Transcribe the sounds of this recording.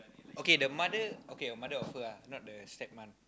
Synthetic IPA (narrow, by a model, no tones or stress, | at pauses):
ʔokedəmadəʔokeɔmadəɔfɨanɔt̚dəst̪ɛp̚man